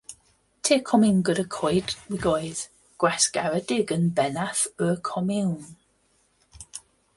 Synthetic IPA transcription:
tʰeːkʰɔmɪwnɡəɾəkʰɔɨdwiɡoːɨð̥ | ɡ̥wɛsɡ̥avədɪɡənbɛnaθəːkʰɔmɪwn

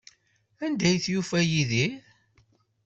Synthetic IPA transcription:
ænd̪æjθjufæjiði

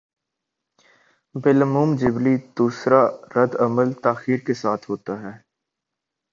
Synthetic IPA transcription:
bɪləmuːmd͡ʒɪblid̪̥uːsɾaɾəd̪əməlt̪aːxiːɾkesaːt̪ʰɦoːt̪aɦɛː

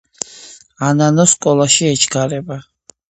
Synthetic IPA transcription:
ananɔskʼɔlˠaʃiɛt͡ʃʰɡaɾɛba

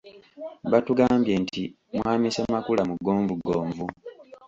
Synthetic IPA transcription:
βatuɡaːmbje̞ːntʰi | mwaːmisamakulamuɡːo̞ːɱvuɡoːɱvu

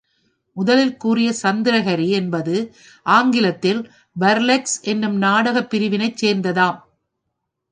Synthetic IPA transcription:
mʊðɐlɪlkuːrɪjɐsɐnd̪ɪɾɐɣɐɾiɛnbɐðɯ | ʔaːŋɡɪlɐt̪ːɪl | bɐɾlɛksɛnːɯmnaːɽɐɣɐpːɪɾɪʋɪnɐɪt͡ʃseːɾnd̪ɐðaːm

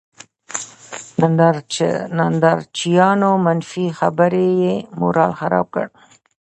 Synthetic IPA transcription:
nnd̪ | nand̪ɑɾt͡ʃijɑnomanfixabəɾejemo̰ɾɑlxaɾɑ̰b̚kə̰ɽ

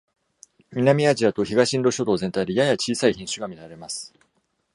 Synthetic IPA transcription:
mʲinamʲiaʑiat̪o̞çiɡaɕĩnɾo̞ɕo̞t̪o̞ːzẽ̞nt̪aiɾʲijajat͡ɕiːsaiçĩɰ̃ɕɨɡamʲiɾaɾe̞masɨ̥

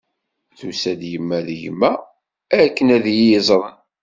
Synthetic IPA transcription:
θusæd̪jəmːæðjəmːæ | ækːənæðjiəzˤɾˤən

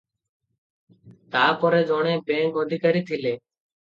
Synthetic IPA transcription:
t̪aːpoɾeːd͡ʒoːɳẽːpẽːɡoːd̪ʱiːkəɾiːt̪ʰɪleː

